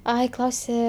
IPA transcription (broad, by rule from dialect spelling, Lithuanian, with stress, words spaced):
ˈɐɪ ˈklˠɐʊsʲeː